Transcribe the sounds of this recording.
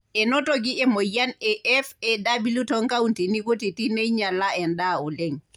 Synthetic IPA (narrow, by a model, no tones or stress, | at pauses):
ɛnɔtoɡiʔɛmɔjanɛʔɛfɛdabilutɔŋkawuntinikotitinɛjɲalaɛndaɔlɛŋ